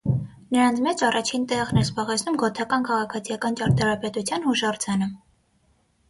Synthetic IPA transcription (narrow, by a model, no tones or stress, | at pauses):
nəɾɑnt͡sʰmɛt͡ʃɑrɑt͡ʃʰint̪ɛʁnɛɾzbɑʁɛt͡sʰnumɡɔt̪ʰɑkɑnkʰɑʁɑkʰɑt͡sʰijɑkɑnt͡ʃɑɾt̪ɑɾɑpɛt̪ut͡sʰjɑnhuʃɑrt͡sʰɑnə